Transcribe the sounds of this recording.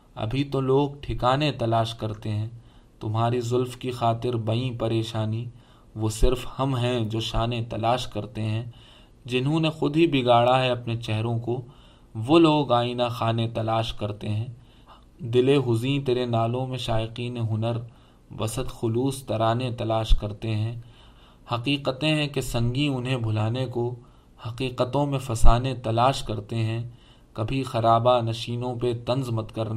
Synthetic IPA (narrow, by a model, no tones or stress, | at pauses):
ɐ̰bʱit̪oloːɡʈʰɪkaːnet̪ɐlaːʃkɐɾt̪eɦɛ̃ː | t̪ʊmɦaːɾizʊlfkixaːt̪ɪɾbɐĩpɐɾeːʃaːni | ʋosɪɾfhɐmɦɛ̃d͡ʒoːʃaːnet̪ɐlaːʃkɐɾt̪eɦɛ̃ | d͡ʒɪnɦõnexʊd̪ɦibɪɡaːɽaɦɛɐpnet͡ʃɛɦɾõko | ʋoːloːɡaːinaxaːnet̪ɐlaːʃkɐɾt̪eɦɛ̃ː | d̪ɪleɦʊzĩːt̪eːɾenaːlõmẽʃaːɪqiːneɦʊnəɾ | ʋɐ̰səd̪xʊluːst̪ɐɾaːnet̪ɐlaːʃkɐɾt̪eɦɛ̃ː | hɐqiːqət̪ẽɦɛ̃kesɐ̃ŋɡiʊnɦẽbʱʊlaːneko | hɐqiːqət̪õmẽfɐsaːnet̪ɐlaːʃkɐɾt̪eɦɛ̃ | kɐbʱixɐɾaːbanɐʃiːnõpet̪ɐ̃nzmɐt̪kɐɾna